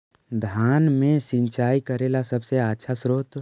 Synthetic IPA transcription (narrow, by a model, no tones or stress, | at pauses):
d̪ʱaːnmẽsɪ̃nt͡ʃaːikəɾeːlasɐbseatːʃʰasɾoːt̪